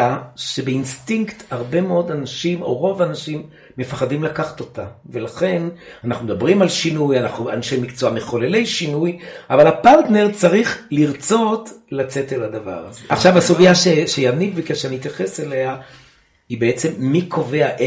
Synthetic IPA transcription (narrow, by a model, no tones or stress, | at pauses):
aʃe̞beinstiŋkthaʁbe̞meo̞danaʃimo̞̰ʁo̞vanaʃimː | e̞faχadimlakaχḁt̪o̞tave̞laχe̞nanaχnumed̪abʁimalʃinujanaχnuanʃejmikt͡soameχo̞lele̞jʃinujʔavalapaʁtne̞ʁt͡saʁiχliʁt͡so̞tlat͡se̞telad̪ava̰ʁazeʔaχʃavasuɡijaʃeʃejanilvikeʃeaniit̪jaχeselea | ibeet͡se̞mːikʰo̞ve̞aʔe